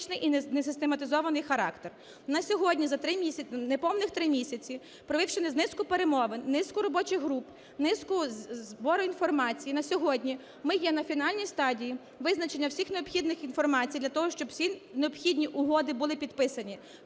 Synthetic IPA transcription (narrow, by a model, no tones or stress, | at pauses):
t͡ʃnɪjʔinnesɪst̪emɐt̪ɪzɔʋɐnɪjxɐɾɑ̰kt̪er | nɐsʲɔɦɔdʲnʲizɐt̪ɾɪmʲisʲnepɔmnɪxt̪ɾɪmʲisʲɐt͡sʲi | pɾɔʋɪwʃenɪznɪskʊpeɾemɔʋɪnʲnɪskʊɾɔbɔt͡ʃɪɣɦɾup | nɪskʊzbɔɾʊinfɔrmɑt͡sʲijinɐsʲɔɦɔdʲnʲi | mɪjɛnɐfʲin̪ɑlʲnʲijst̪ɑdʲiji | ʋɪznɐt͡ʃe̞nʲːɐwsʲixneɔpxʲid̪nɪxinfɔrmɑt͡sʲijd̪lʲɐt̪ɔɦɔʃt͡ʃɔbwsʲineɔbxʲid̪ʲnʲiʔʊɦɔd̪ɪbʊlˠɪpʲid̪pɪsɐnʲi